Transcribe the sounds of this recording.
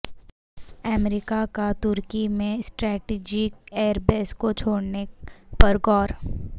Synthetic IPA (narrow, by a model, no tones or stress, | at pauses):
əmɾɪkakat̪ʊɾkimẽsʈɾɛːʈiːd͡ʒɪk̚eːɾbeːskot͡ʃʰoːɽnepɐɾɡɔːɾ